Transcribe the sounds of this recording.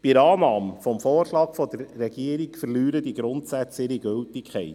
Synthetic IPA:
pɪɾɑːnɑːməfɔmfɔːɾʃlɑːkfɔd̥̪əɾːɛɡiəɾikfəɾlyːɾəd̪iɡɾʊnt̪sæt͡sɪɾiɡɵltɪkʰχɛɪt

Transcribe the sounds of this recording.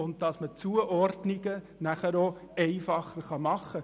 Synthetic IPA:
ʊnd̚d̥ɑsmət͡suəʔɔrdnɪɡə | næχəɾoɛɪfɑχəɾχɑmɑχːə

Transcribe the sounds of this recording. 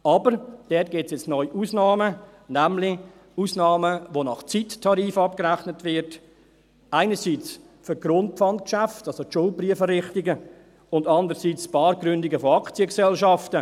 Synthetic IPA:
ɑbəɾd̥ɛt̚ɡ̥ɪtt͡sjɛt͡snɔʏʔuːsnɑːmə | næmlɪ | uːsnɑːməʋonɑχt͡sittʰːɑɾiːfɑp̚kəɾæχnətʋɪɾt | ʔaɪnəsiːt͡s | fʏɾɡ̥ɾʊnt̚pfɑntkʃæftɑlsotʃʊlpriəfərɪχtɪɡə | ʊndɑndəɾsiːt͡spɑːɾɡ̥ɾʏndɪɡəfoɑkt͡siəksɛlʃɑftə

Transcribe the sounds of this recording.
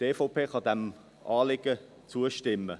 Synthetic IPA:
teːfopʰeːχɑd̪ɛm | ʔɑːlɪɡ̥ə | t͡suəʃtɪmːə

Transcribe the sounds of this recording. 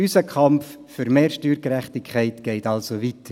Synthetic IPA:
ysəkʰɑmf | fʏɾmeːɾʃtyːɾkɾɛχtɪkʰːɛɪtɡ̥ɛɪtɑlsovitə

